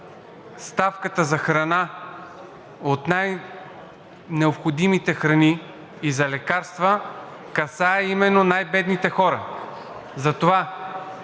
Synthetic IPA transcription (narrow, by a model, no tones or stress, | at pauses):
st̪afkət̪əzɐxɾɐna | ot̪naj | nɛopxod̪imit̪ɛxɾɐniː | zɐlɛkaɾst̪və | kɐsaɛimɛnːonajbɛd̪nit̪ɛxɔɾɐ | zɐt̪ova